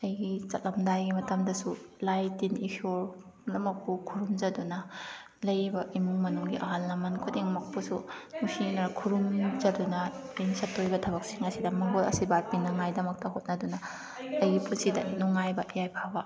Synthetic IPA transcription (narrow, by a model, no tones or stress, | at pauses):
ɐjɡit͡ʃɐt̚lɐmdajɡimɐtɐmdɐsulajtinikʰoɾ | lɐmɐk̚pukʰuɾumzɐdunɐ | lɐjbɐimuŋmɐnuŋɡiʔɐɦalːɐmɐnkʰudeŋmɐk̚pusunusinɐɾkʰuɾumzɐdunɐejnsɐtːojbɐtʰɐβɐk̚siŋɐsidɐmɐŋɡolɐ̰sibapinɐŋajdɐmɐk̚tɐhot̚nɐdunɐ | ɐjɡipunsidɐnuŋajbɐʔijajpʰabɐ